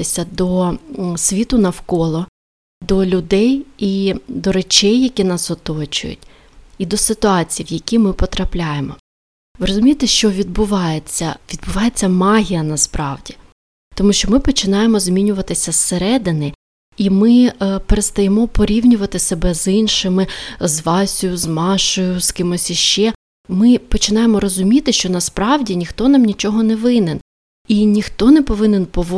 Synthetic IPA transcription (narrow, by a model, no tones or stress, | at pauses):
ɪsʲɐd̪ɔsʲʋʲit̪ʊnɐwkɔlˠɔ | d̪ɔlʲʊd̪ɛjid̪ɔɾet͡ʃɛjːɐkʲinɑsɔt̪ɔt͡ʃʊ̰jʊ̰tʲ | id̪ɔsɪt̪ʊɑt͡sʲijiwjɐkʲimɪpɔt̪ɾɐplʲajemɔ | ʋɪɾɔzʊmʲijt̪eʃt͡ʃɔʋʲid̪̚bʊʋɑjet͡sʲːɐʋʲid̪̚bʊʋɑjet͡sʲːɐmɑɦʲijɐnɐspɾɑwdʲi | t̪ɔmuʃt͡ʃɔmɪpɔt͡ʃɪnɑjemɔzʲmʲinʲʊʋɐt̪ɪsʲɐseɾɛd̪ɪnɪ | imɪpeɾet̪st̪ɐjemɔpɔɾʲiwnʲʊʋɐt̪ɪsebɛzinʃɪmɪzʋɑsʲʊjʊzmɑʃɔjʊskɪmɔsʲiʃt͡ʃɛ | mɪpɔt͡ʃɪnɑjemɔɾɔzʊmʲit̪ɪʃt͡ʃɔnɐspɾɑwdʲinʲixt̪ɔnɑmnʲit͡ʃɔɦɔnɛʋɪnen | inʲixt̪ɔnɛpɔʋɪnɪnpɔʋ